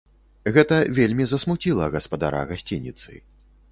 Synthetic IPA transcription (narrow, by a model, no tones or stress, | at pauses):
ɣɛt̪ɐvʲelʲmʲizɐsmut͡sʲilˠɐɣɐspad̪a̰ɾa̰ɣasʲt͡sʲinʲit̪sɨ̰